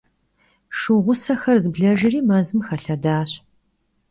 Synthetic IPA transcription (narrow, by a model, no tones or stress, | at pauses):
ʂɨʁʷʊsɐxɐrzɨbɮɐʒɪriːmɐzɨmxɐɬɐdaːɕ